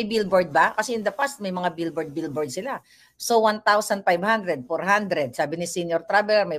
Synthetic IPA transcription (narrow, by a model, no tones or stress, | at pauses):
ɐjbilbɔɹd̪̚bakɐsɛʔɪnd̪ɐpast̪̚mɐjmɐŋabilbɔɹd̪̚bilboɹd̪sɪla | sowant̪awsɐnfajvhãnd̪ɾɛd̪̚foɹɦãnd̪ɾɛd̪̚saːbɪnɪsinjɔɹt̪ɾabɛlɛɾmɐj